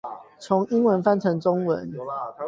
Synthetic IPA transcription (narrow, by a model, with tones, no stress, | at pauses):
t͡sʰʊ˨˦ŋi˥ŋwə˧˦nfa˥˨nt͡sʰə˨˥ŋt͡sʊ˥ŋwə̰˧˦n